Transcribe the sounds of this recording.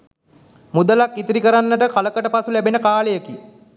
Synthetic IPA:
mud̪əlakːit̪iɾikəɾanːəʈəkaləkəʈəpasulæbenəkaːləjəki

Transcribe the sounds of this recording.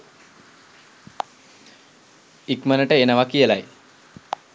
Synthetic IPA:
ikmənəʈəenəʋakijəlaj

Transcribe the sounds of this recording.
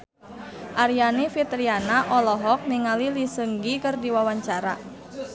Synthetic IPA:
ʔaɾianifit̪ɾianaʔɔlɔɦɔk̚niŋalilisəŋɡikərdiwawaɲt͡ʃaɾa

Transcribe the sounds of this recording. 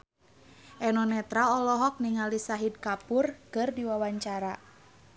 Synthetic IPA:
ʔɛnɔnɛt̪ɾaɔlɔɦɔk̚niŋalisaɦid̚kapurkɨrdiwawaɲt͡ʃaɾa

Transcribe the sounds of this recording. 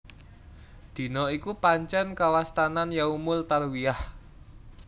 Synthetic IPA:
d̪̥i̤nɔikupaɲt͡ʃɛnkawast̪ananjaumʊlt̪alwiah

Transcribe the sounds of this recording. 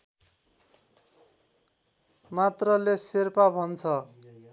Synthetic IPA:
mat̪rʌleserpabʱʌnt͡sʰʌ

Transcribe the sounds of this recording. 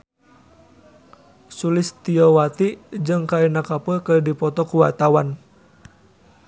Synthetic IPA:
sulɪst̪iɔwat̪id͡ʒɨŋkainakapəkədipɔt̪ɔkuwat̪awan

